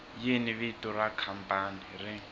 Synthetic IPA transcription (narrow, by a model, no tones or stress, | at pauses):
jiniβiturakʰampanirɪ